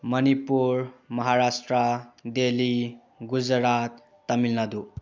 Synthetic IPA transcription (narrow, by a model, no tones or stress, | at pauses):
mənipuɾmʌɦaɾasʈɾəd̪eli | ɡud͡zɾat̪ː | əmilnad̪u